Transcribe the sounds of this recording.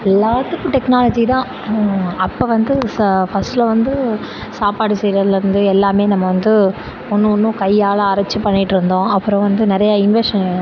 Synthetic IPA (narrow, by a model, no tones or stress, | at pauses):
ɛlːaːt̪ɯkːɯ̃ʈɛknaːlɐd͡ʒit̪ãː | ɐpːoːʋɐnd̪ɯfɐsʈlɐʋɐnd̪ɯ | saːpaːɽɯsɛjɾɐðɪlɐɾɯnd̪ɯɛlːaːmeːnɐmːɐʋɐnd̪ɯ | ɔnːɯɔnːɯ̃kɐjːaːɭɐːɾɐt͡ʃːɯpːɐɳːɪʈːɯɾɯnd̪õːɐpːɯɾɔ̃ʋɐnd̪ɯnɪɾɐjɐɪnʋɛɾʂɐn